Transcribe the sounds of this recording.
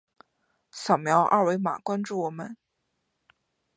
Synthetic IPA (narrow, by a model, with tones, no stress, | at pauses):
sɑ˨˩mjɑ˧˥ʊʔa̰˥˧we˧˥ɪma̰˨˩kwa˥nʈ͡ʂu˥˩wɔ˨˩mə˧˦n